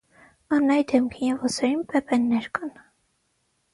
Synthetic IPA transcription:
ɑnɑjd̪ɛmkʰinjɛvɔsɛɾinpɛpɛnːɛɾkɑn

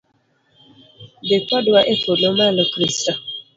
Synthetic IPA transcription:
dɪkɔdʊaʔefonomalʊkɾistɔ

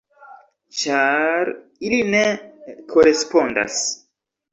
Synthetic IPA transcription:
t͡ʃaɾiline̞kʰoɾespo̞nda̰s

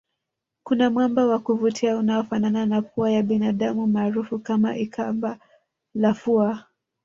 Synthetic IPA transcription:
kunamwambawakuvutʰiaunaɔfanananak̚uajaɓinaɗamumaːɾufukama̰ʔikʰamba | lafua

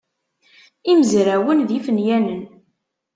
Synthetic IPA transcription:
iməzɾæwənðifənjænən

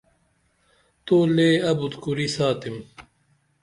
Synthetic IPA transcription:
t̪oːleːɐbut̪kuɾisaːt̪im

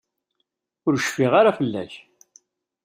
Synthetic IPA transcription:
ʊɾəʃfiʁaɾafəlːæ̰ç

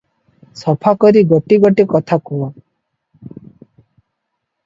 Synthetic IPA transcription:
sɔpʰakɔɾiɡɔʈiɡɔʈikɔt̪ʰakuwɔ

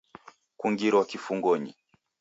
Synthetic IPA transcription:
kuŋɡiɾɔwakifuŋɡɔɲḭ

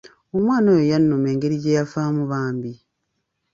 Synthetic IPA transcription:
omwaːnojojanːomeːŋɡeɾiɟejafaːmuβaːmbi

